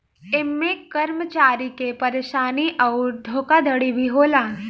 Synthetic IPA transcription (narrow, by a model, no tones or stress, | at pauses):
emːekːəɾmət͡ʃaɾikepəɾeɕaniʔəwɾd̪ʱokad̪ʱəɽibʱiɦola